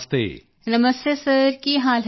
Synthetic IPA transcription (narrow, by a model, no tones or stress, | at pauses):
st̪ḛː | nɐməst̪esɐɾkiɦaːlɦ